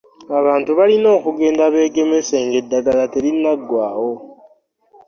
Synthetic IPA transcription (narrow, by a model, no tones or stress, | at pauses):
aβaːntuβalino̞ːkuɡe̞ːndaβe̞ːɡe̞mese̞ːŋɡe̞dːaɡalateɾinːaɡːwaːwo̞